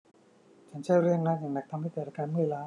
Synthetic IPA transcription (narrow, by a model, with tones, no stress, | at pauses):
t͡ɕʰa˦˥nt͡ɕʰa˥˩jɾɯ˥˩əŋna˦˥jaː˨˩ŋna˨˩k̚t̪ʰmha˥˩t̪ɛː˨˩ɾaː˧˩kaː˧nmɯ˥˩əlaː˦˥